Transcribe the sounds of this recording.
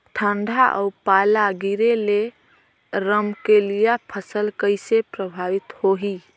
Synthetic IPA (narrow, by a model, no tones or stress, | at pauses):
ʈʰəɳɖʱaʔə̰upalaɡiɾele | ɾəmkelijapʰəsəlkəɪsepɾəbʱaʋit̪hoɦi